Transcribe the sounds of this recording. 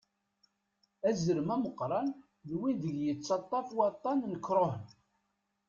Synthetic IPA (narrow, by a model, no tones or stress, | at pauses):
æzəɾmæməqːɾˤɑn | ðwiðəʝjət͡sːɑt̪ˤːɑfwɑt̪ˤːɑnnəkːɾˤohən